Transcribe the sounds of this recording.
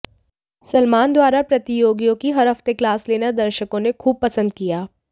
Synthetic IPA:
sɐlmaːnd̪waːɾapɾɐt̪ijoːɡijõkiɦɐɾɦɐft̪eklaːsleːnad̪ɐɾʃəkõnekʰuːb̚pɐsə̃nd̪̚kijaː

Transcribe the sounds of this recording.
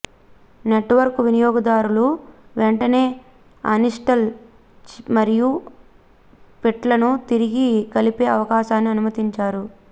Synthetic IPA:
neʈʋɐɾkuʋinijɔːɡɐd̪aːɾuluʋeɳʈɐne̞ː | ɐ̰niʂʈɐl | t͡ʃmɐɾiju | piʈlɐnut̪iɾiɡikɐlipe̞ːɐʋɐkaːʃaːnːiɐnumɐt̪iɲt͡ʃaːɾu

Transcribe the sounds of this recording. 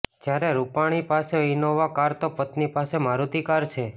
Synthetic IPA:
d͡ʒjaɾeɾupaɽ̃ipaseinoʋakaɾt̪opət̪nipasemaɾut̪ikaɾt͡ʃʰe

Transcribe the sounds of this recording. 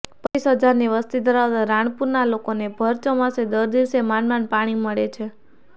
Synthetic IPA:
pəisɦəd͡ʒaɾniʋəst̪id̪əɾaʋd̪aɾãɳ̃puɾnalokonebʱəɾt͡ʃomãsed̪əɾd̪iʋsemanmanpaɽ̃iməɭet͡ʃʰe

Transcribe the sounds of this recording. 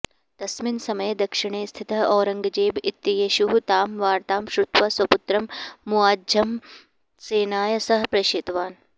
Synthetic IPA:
d̪̥ɐsminsɐmɐjd̪ɐkʂɪɳ̃eːst̪ʰit̪ɐɔːɾɐŋɡɐd͡ʒeːbɪt̪ːjɐjeːʃuɦut̪aːmʋaːɾt̪aːmʃɾut̪ʋɐswɐput̪ɾɐmːuaːd͡ʒɐm | seːnaːjɐsɐɦɐpɾɐʃeːt̪ʋaːn

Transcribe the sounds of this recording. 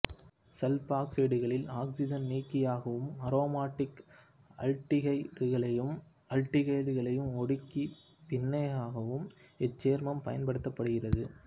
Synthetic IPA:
sɛlpaːksiɽɯɣɐɭɪlaːksɪd͡ʒɐnniːkːɪjaːɣɐʋɯmɐɾoːmaːʈːɪk | ɐ̰ɻʈːɪɣɐɪɽɯɣɐɭɐjɯm | ɐlʈɪɣɐɪɽɯɣɐɭɐjɯmɔɽɯkːi | pɪnːɐjaːɣɐʋɯmɛt͡ʃːeːɾmɐmpɐ̰jɐnpɐɽɯt̪ːɐpːɐɽɯɣɪrɐðɯ

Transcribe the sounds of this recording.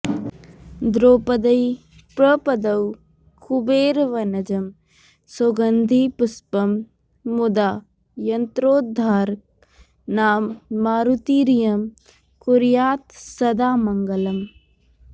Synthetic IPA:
d̪ɾoːpɐd̪ɐj | pɾɐpɐd̪ɐw | kʰubeːɾʋɐnɐd͡ʒɐm | soɡɐnd̪ʱipuspɐmː | ud̪aː | jɐnt̪ɾoːd̪̚ʱaːɾ | naːmːaːɾut̪iːɾijɐm | kuɾjaːt̪sɐd̪aːmɐŋɡɐlɐm

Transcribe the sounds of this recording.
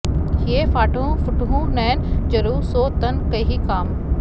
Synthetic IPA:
hiefaːʈʰũːfʊʈɦũnɛːnd͡ʑɐɾuːsoːt̪ɐnkɐɦikaːm

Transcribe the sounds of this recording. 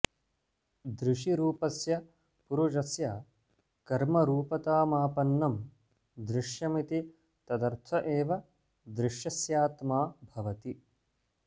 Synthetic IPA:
d̪ɾɪʂiɾuːpɐsjɐ | puɾud͡ʒɐsjɐː | kɐɾmɐɾuːpɐt̪aːmaːpɐnːɐm | d̪ɾɪʃjɐmit̪i | t̪ɐd̪ɐɾt̪ʰɐʔeːʋɐ | d̪ɾɪʂjɐsjaːt̪maːbʱɐʋɐt̪i

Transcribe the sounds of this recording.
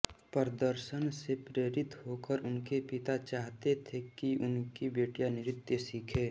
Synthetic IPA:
pəɾəd̪əɾʃənsepɾeːɾɪt̪ɦoːkəɾʊnkepɪt̪at͡ʃaːɦt̪et̪ʰekiʊnkibeːʈjanɪɾɪt̪jəsiːkʰeː

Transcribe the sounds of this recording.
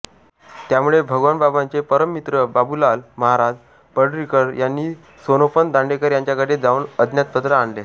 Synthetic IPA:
t̪jamuɭebʱəɡʋanbabant͡sepəɾəmːit̪ɾəbabulalməɦaɾad͡z | pəɖɾikəɾjanːiː | sonofənd̪ãɳɖekəɾjaɲt͡ɕjakaʈed͡zaunəd̪ʱnjat̪̚pət̪ɾəaɳle

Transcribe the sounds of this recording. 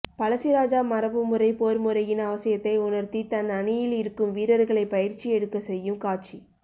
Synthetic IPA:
pɐlɐsɪɾaːd͡ʒaːmɐɾɐpːɯmɯrɐɪpoːɾmɯɾɐjɪnɐʋɐsɪjɐt̪ːɐɪʊnɐɾt̪it̪ɐnɐɳɪjɪlɪɾɯkːɯmʋiːɾɐɾɣɐɭɐɪpɐjɪɾt͡ʃiɛɽɯkːɐsɛjːɯmkaːt͡ʃi

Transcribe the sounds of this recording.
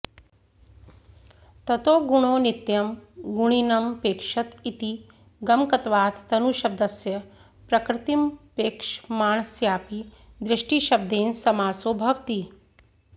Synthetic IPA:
t̪ɐt̪oːɡuɳ̃oːnit̪jɐmɡuɳ̃inɐmpeːkʂɐt̪it̪i | ɡɐmkɐt̪ʋaːt̪ʰt̪ɐnuʃɐb̚d̪ɐsjɐ | pɾɐkɾɪt̪impeːkʂmaːɳsjaːpi | d̪ɾɪʂʈiʃɐb̚d̪eːnsɐmaːsoːbʱɐʋt̪i

